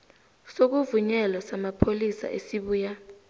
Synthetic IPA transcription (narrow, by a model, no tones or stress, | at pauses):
sok̬uvuɲɛlɔsamapʰolisa̰ʔesiɓuːja